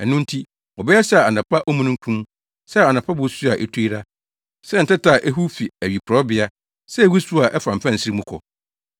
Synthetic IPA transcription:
ɛ˨nʊ̃˦n̩˦tʰi˦ | ɔ˨bɛ˦jɛ˦sɛ˦a˨a˨nã˨pʰa˦ʔɔ˦mũ˦nʊ̃˦ŋ̩˦kʰũ˦m | sɛ˦˨a˨nã˨pʰa˦bʊ˨˦su˦a˨ʔɛ̰˦˨tʰu˦i˦ɾa˦ | sɛ˦n̩˨tɛ˦ta˨ʔɛ˦ɦu˦fi˨æ˨ɥi˨kʰɾɔ˦bɪ˨a˦ | sɛ˦wi˦su˦a˨ʔɛ˦fã˨m˨fã˦n̩˨sɾi˦mũ˦kʰɔ˨

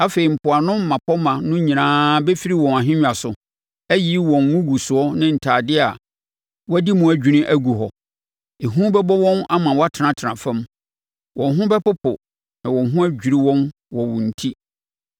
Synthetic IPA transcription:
a˦fe˨ɾi˨m̩˨pʰʊ˨a˨nʊ̃˦m̩ː˦ã˨pʰɔ˦mã˨nʊ̃˦ɲĩ˨nãː˦bɛ˦fi˦ɾi˦wɔ̃˨na˨ɦɪ̃˦ɲᶣ˨a˨sʊ˨ | æ˦ji˦wɔ̃˨n˨ŋʊ̃˦ɡu˨sʊ˨ɔ˦nɪ̃˦n̩˨tʰaː˨dɪ˦a˨ | wɔ˦æ˦di˦mʊ̃˨æ˨d͡ʑᶣu˨ɾɪ̃˦ʔæ˦ɡu˨ɦɔ˨ | e˨ɦũ˦bɛ˦bɔ˦wɔ̃˦na˦mã˨wɔ˦a˦tʰɪ˨nã˨tʰɪ˨ɾã˨fã˦m | wɔ̃˨n˦ɦʊ̃˦bɛ˦pʊ˦pʰʊ̰˨ | nã˨wɔ̃˨n˨ɦʊ̃˦æ˦d͡ʑᶣi˨ɾi˦wɔ̃˦n | wɔ˨wʊ̃˨n̩˨tʰi˦

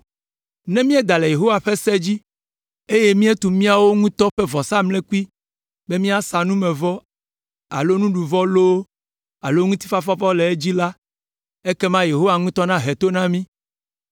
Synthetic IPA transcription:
nɛ̃˦mĩ˦ɛ˦d̪a˨le˨je˨ɦo˦wa˨ɸɛ˦sɛ˦d͡ʑi˦ | e˦je˦mĩ˦e˦t̪u˨mĩ˦a˨wo˦ŋũ˦t̪ɔ˦ɸɛ˦vɔ˨sa˦mlɛ˦ku˦i˦ | be˦mĩ˦a˦sa˨nũ˦mɛ̃˨vɔ˦ | a̰˨lo˦nũ˦ɖu˨vɔ˦lo˦ | a˨lo˦ŋũ˦t̪i̥˦fa˦fɔ˦fɔ˦lɛ˨e˦d͡ʑi˦la˦ | e˦kɛ˦mã˦je˨ɦo˦wa˨ŋũ˦t̪ɔ˦nã˦ɦe˨t̪o˦nã˦mĩ˦

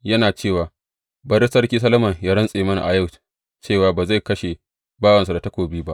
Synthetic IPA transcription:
jɐ˦naː˨t͡ʃeː˦˨waː˨ | bɐ˦ɾɪ˦sɐ˦rkʲiː˦s̬ɐ˦lɐ˦mɐ˨ŋjaː˦ɽɐ˦nsʼeː˨mɐ˦na̰˨ʔa˨ja˦˨w | t͡ʃeː˦˨waː˨baː˨za˦˨jkɐ˦ʃe˨ | baː˦wɐ˨nsu˨da˨tɐ˦kʷoː˨biː˦ba˦ʔ

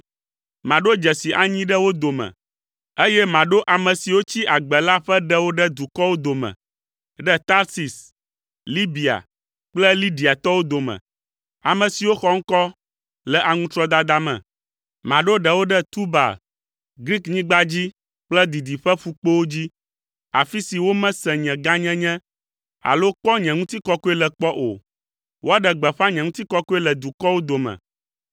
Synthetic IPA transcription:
mã˨ɖo˦d͡ʒɛ˨si˨ʔa˨ɲĩ˦ɖə˦wo˦d̪o˨mɛ̰̃˨ | e˦jɛ˦mã˨ɖo˦ʔa˨mə̃˨si˨wo˦t͡ɕi˦ʔa˨ɡ͡bɛ˨la˦ɸɛ˦ɖɛ˦wo˦ɖɛ˦d̪u˨kɔ˦wo˦d̪o˨mɛ̰̃˨ | ɖɛ˦t̪a˦ɾsi˨s | li˦bi˨a̰˨ | k͡plɛ˦li˦ɖi˨a˨t̪ɔ˦wo˦d̪o˨mɛ̰̃˨ | a˨mə̃˨si˨wo˦xɔ˦ŋ̩˦kɔ˦ | lɛ˨ʔa˨ŋũ˦t̪ɾɔ˦d̪a˦d̪a˦mɛ̰̃˨ | mã˨ɖo˦ɖɛ˨wo˦ɖɛ˦t̪u˦ba̰˨ | ɡɾi˦kɲĩ˦ɡ͡ba˦d͡ʑi˦ | k͡plɛ˦d̪i˨d̪i˨ɸɛ˦fu˦k͡po˦wo˦d͡ʑi˦ | a˨fi˦si˨wo˦mɛ̃˦sɛ̃˨ɲɛ̃˨ɡa˦ɲɛ̃˦ɲɛ̃˦ | a̰˨lo˦k͡pɔ˦ɲɛ̃˨ŋũ˦t̪i˦kɔ˦ku˦ɛ˦lɛ˨k͡pɔ˦ʔo̰˨ | wʔo˦a˦ɖɛ˨ɡ͡bɛ˨ɸa˦ɲɛ̃˨ŋũ˦t̪i˦kɔ˦ku˦ɛ˦lɛ˨d̪u˨kɔ˦wo˦d̪o˨mɛ̰̃˨

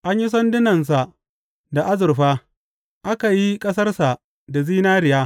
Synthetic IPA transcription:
ʔa˦ɲji˦s̬ɐ˦ndɪ˦nɐ˨ns̬a˨ | da˨ʔa˦zʊ˨rɸaː˦ | ʔa˦ka˨ji˦kʼɐ˦sɐ˦rsa˨ | da˨ziː˦naː˦ɾɪ˨jaː˦

